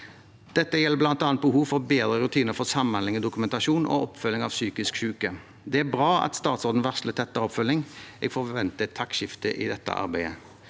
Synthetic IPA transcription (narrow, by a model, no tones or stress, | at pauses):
d̪̥ɛt̪ːəjɛlːəblɑnt̪ɑːnt̪bəhuːʋfɔɾbeːd̪ʁəɾʉt̪ʰiːnəɾfɔsɑmɑnlɪŋɔd̪ʊkʉmɛnt̪ɑʃuːnʔo̰ɔpfʉlɪŋɑːʋsyːkɪskʃʉːkə | d̪ɛːæbʁɑːɑ̰t̪st̪ɑːt̪sɔʁd̪n̩ʋæʁʂlət̪ʰɛt̪ːəʁɔpfœlɪŋɛ̰ːɡfɔʋɛnt̪ət̪ʰɑkʃɪft̪əʔḭːd̪ɛt̪ːə̰ʔɑ̰ɾbæɪə̰